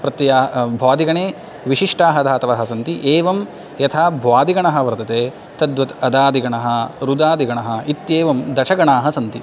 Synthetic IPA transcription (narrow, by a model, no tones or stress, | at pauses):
pɾɐt̪ːjaːbʱaːd̪iɡɐɳeː | ʋiʃiʂʈaːɦɐd̪ʰʱaːt̪ɐʋɐɦɐsɐnt̪iʔeːʋɐm | jɐt̪ʰaːbʱʋaːd̪iɡɐɳɐɦɐ̆ʋɐɾt̪ɐt̪eː | t̪ɐd̪ʋɐt̪ɐd̪aːd̪iɡɐɳɐɦɐ̆ɾud̪aːd̪iɡɐɳɐɦɐ̆it̪jeːʋɐmd̪ɐʃɐɡɐɳaːɦɐsɐnt̪i